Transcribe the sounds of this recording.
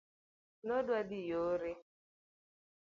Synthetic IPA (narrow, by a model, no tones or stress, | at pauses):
nodwadɪjoɾe